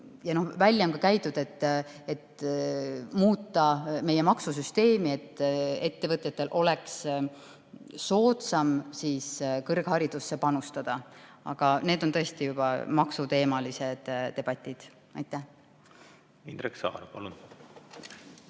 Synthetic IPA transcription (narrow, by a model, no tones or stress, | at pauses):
jɑno̞hvælʲːjɑonkɑkæjt̪ːˑud̪̥e̞t̪ːe̞t̪ | muːt̪ˑːɑme̞jemɑksusyst̪e̞ːmie̞t̪ːˑe̞t̪ːe̞vɤt̪ˑjɑt̪ːˑe̞lʔo̞le̞ks | so̞ːt̪sɑmsiːskɤrɡ̥hɑɾid̪̥usːe̞pɑnust̪ɑd̪̥ɑɑ̰ɡ̥ɑne̞ːd̪̥o̞nt̪ɤ̞e̞st̪ijub̥ɑmɑksut̪e̞ːmɑlise̞d̪̥t̪e̞b̥ɑt̪ʲːˑid̪̥ | ɑjt̪ˑːæh | ind̪̥ɾeksɑ̰ːɾpɑ̰lun